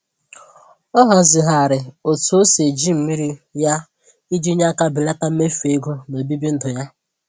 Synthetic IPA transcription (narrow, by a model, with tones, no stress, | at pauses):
ɔ˦ɦa˨zɪ˨ɦa˨a˨ɾɪ˨o˨tu˨˦o˦se˨d͡ʒi˦m̩˨mi˦ɾi˦ja˦ | i˦d͡ʒi˦ɲ˦a˦ka˦bɪ˨la˦ta˦m̩˦me˦fe˦ɡu˦no˨bi˦bi˦n̩˦dʊ˨ja˦